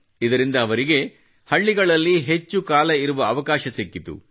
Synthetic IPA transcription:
id̪ɐɾind̪ɐːʋɐɾiɡe̞ | hɐɭːiɡɐɭɐlːiɦet͡ʃːukaːlɐiɾuʋɐːʋɐkaːʃɐsekːit̪ṵ

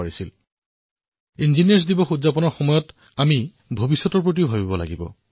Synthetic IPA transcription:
aɹisil | inzinijɛɹs̬dibɔxudzapɔnɔɹxɔmɔjɔt | ami | bʱobisːɔtɔɹp̬ɹot̬iʊbʱabibɔla̰ɡibɔ̰

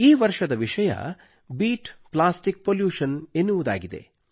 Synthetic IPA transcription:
iːʋɐɾʂɐd̪ɐʋiʂɐjɐ̰ | biːʈplaːsʈik̚poːljuːʂɐnenːuʋud̪a̰ːɡid̪e̞̰

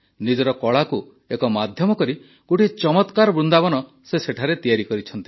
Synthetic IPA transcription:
nid͡ʒɔɾɔkɔɭaku | ekɔmad̪ʱjɔmɔkɔɾi | ɡ̥oʈit͡ʃɔmɔt̪kaɾɔbɾund̪abɔnɔ | seseʈʰaɾet̪ijaɾikɔɾit͡ʃʰɔnt̪i̥

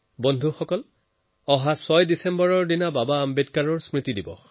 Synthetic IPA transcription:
bɔndʱuxɔkɔl | ɔɦasɔjdisɛmbɔɹɔɹdinababaːmbedkaɹɔɹsmɹit̪idibɔ̰x

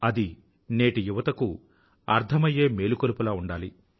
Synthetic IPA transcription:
ɐd̪i | ne̞ːʈijuʋɐt̪ɐku | ɐ̰ɾd̪ʰʱɐmɐje̞ːme̞ːlukolupulaːuɳɖaːli

